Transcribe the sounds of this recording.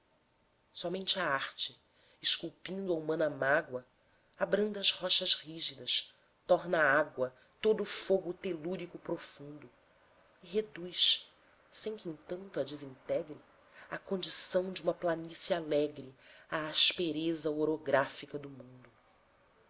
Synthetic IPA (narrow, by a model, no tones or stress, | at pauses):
sɔmẽnt͡ʃɪaaɾt͡ʃɪ | ɪʃkuwpĩnd̪ʊɐumɐ̃nɐmaɡwɐ | abɾɐ̃nd̪ɐzhɔʃɐzhiʒid̪ɐʃ | t̪ɔɾnɐaaɡwɐ | t̪od̪ʊːfoɡʊt̪eluɾikʊpɾofũnd̪ʊ | iɦed̪ujʃ | sẽj̃kʲɪẽŋt̪ɐ̃nt̪ʊɐd͡ʒɪzĩnt̪ɛɡɾɪ | ɐkõnd͡ʒisɐ̃w̃d͡ʒɪũmɐplanisjɐalɛɡɾɪaːʃpeɾezɐoɾoɡɾafikɐd̪ʊmũnd̪ʊ